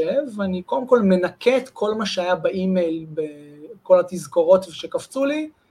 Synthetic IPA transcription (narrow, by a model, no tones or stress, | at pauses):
evaniko̞demko̞lmenakʰet̪kʰo̞lmaʃeajabaʔimejlbeko̞lat̪izɡoʁo̞t̪veʃekaft͡suli